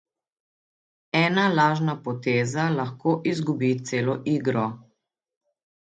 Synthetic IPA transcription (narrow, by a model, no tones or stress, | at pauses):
ɛːnalaːʒnapɔt̪eːzalaxkʰoːʔizɡubit̪seːlɔʔiːɡɾɔ